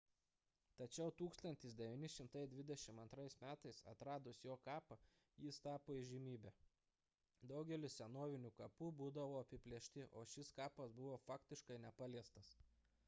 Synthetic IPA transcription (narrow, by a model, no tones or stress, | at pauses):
t̪ɐt͡ʃʲɛʊt̪uːkst̪ɐnʲt̪ʲɪs̬d̪ʲɛʋʲinʲɪʃʲɪmt̪ɐɪd̪ʲʋʲɪd̪ʲɛʃʲɪmɐnt̪ɾɐɪsmʲæːt̪ɐɪsɐ̰t̪ɾɑːd̪ʊsjoːkɑːpɐ | jiːst̪ɑːpoːiʒʲɪmʲiːbʲɛː | d̪ɒʊɡʲɛlʲʊsʲɛnoːʋʲɪnʲuːkɐpuːbuːd̪ɐʋoːɐpʲɪpʲlʲiɛʃʲt̪ʲɪʔoːʃʲɪskɑːpɐsbʊʋoːfɑːkt̪ʲɪʃkɐɪnʲɛpɑlʲiɛst̪ɐs